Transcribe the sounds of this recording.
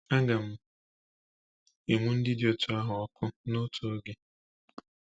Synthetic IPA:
a˦ɡa˨m̩˦˨ | i˨ŋʷʊ˦n̩˦dɪ˦do˨tʰʊ˨a˦ɦʊ˨ɔ˦kʊ˦nʊ˦tʰo˨o˦ɡe˨

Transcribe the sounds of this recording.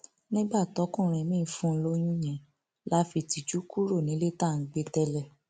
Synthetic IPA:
nĩ˦ɡ͡ba˦˨tɔ˨˦kũ˦˨ɾ̃ɛ̃˧mĩː˦˨fũ˦n̩˧lo˦j̃ũ˦j̃ɛ̃˨ | la˨˦fi˧ti˨d͡ʒu˦ku˦ɾo˦˨nĩ˨˦le˦ta˦˨ŋ̩˨ɡ͡be˧tɛ˧lɛ˧˨

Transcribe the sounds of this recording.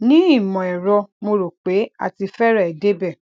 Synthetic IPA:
nĩ˦i˦˨mɔ̃˨ɛ˨ɾɔ˧mo˧ɾo˨k͡pe˨˦a̰˦˨ti˧fɛ˦ɾa˦˨ɛ˨de˦bɛ˦˨

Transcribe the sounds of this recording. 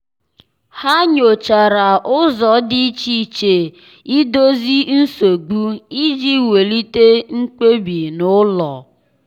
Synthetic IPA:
ha˦ɲo˨t͡ʃa˨ɾa˨ʔʊ˦zɔ˨˦dɪ˦i˦t͡ʃi˨t͡ʃe˨ | i˦do˦zi˦n̩˦so˨ɡ͡bu˦i˦d͡ʒi˦we˨li˦te˦ŋ͡m̩˦k͡pe˦bi˨nʊ˦lɔ˨

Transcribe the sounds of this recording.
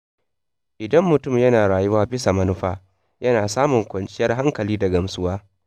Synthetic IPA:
ʔɪ˨dɐ˦mːʊ˨tʊ˦˨mjɐ˦naː˨ɽaː˨jʊ˦waː˦bɪ˦sa˨mɐ˦nʊ˦ɸaː˦ | jɐ˦naː˨saː˦mʊ˨ŋkʷɐ˨nt͡ʃʼɪ˦jɐ˦rɦa˦ŋkɐ˨liː˦dɐ˨ɡɐ˨msʊ˦waː˦

